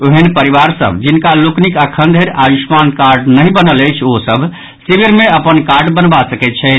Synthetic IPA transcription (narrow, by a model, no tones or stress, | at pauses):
oɦənpəɾiβaɾsə̰bʱd͡ʒinkaloknikəkʰənd̪ʱeɾaʋismankaɾɖnəɦibənələjt͡ʃʰosəbʱ | sibiɾmẽəpənkaɾɖbənbasəkɛt̪̚t͡ʃʰɛt̪